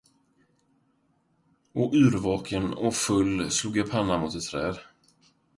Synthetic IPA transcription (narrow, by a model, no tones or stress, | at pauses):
ɔʔ̟ːɾvɑːkʰənɔfɵlːsluːɡjapʰanːamʊːt̪ɛt̪ʰːɾɛ̰ːd̪